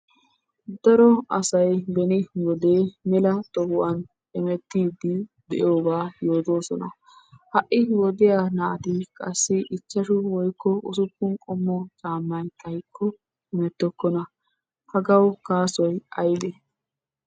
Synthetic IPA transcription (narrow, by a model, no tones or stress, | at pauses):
d̪ɐɾɔɐsɐjbɛnɪwɔd̪e̞ːmɛlɐt̪ɔhʊʔɐn | ɛmɛt̪ːiːd̪ɪd̪ɛ̰jo̞ːɡaːjo̞ːt̪o̞ːsɔnɐ̰ | hɐʔːɪwɔd̪ɪjaːnaːt̪ɪkʼɐsːɪʔɪt͡ʃːɐʃʊwɔjkːɔʔʊsʊpːʊnkʼɔmːɔt͡sʼaːmːɐnt̪ʰɐjkʰːɔ | ɪmɛt̪ːɔkːɔnɐ | hɐɡɐwkaːsɔjɐjd̪ɛ